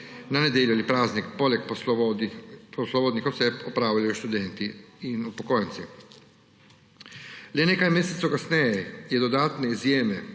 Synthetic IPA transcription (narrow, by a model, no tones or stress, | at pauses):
naned̪jeljualipɾaːznikpolekps | poslˠobod̪nixosɛpopɾaːwlajuʃt̪ud̪ent̪iinupokojntsi | lenekajmjeːset̪sukasnejɛjɛd̪od̪aːt̪neizjeːme